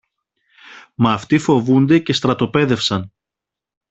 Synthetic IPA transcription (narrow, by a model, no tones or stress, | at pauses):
mɐːft̪ifo̞vund̪e̞ce̞st̪ɾɐt̪o̞pe̞ðe̞fsɐn